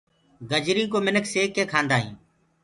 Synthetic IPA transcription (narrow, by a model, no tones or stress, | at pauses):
ɡəd͡ʒɾĩːkoːmɪnəkʰseːkːẽːkʰãːnd̪aːɦḭ̃ː